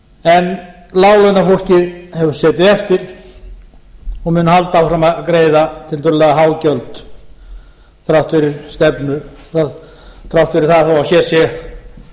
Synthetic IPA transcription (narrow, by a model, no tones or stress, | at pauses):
ɛn | laːwlɛnafol̥cɪðhɛvʏɾ̥sɛːt̪ɪðɛft̪ɪɾ̥ | ɔɣmʏnʏhalt̪aːwfɾamaðkɾeːjðat̪ʰɪlt̪ʰʏlʏlɛɣaɦaːwcœlt̪ | θɾawht̪fɪɾɪɾ̥st̪ɛpnʏθa | θɾawht̪fɪɾɪɾθaðθawasjɛsjɛ